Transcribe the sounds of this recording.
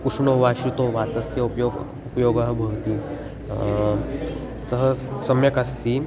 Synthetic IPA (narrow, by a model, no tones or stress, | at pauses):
kuʂnoʋaːʃut̪oʋat̪ɐsjɐupjoɡ | upjoɡɐɦbʱəɭt̪iː | səɦəsɐmjɐkast̪iː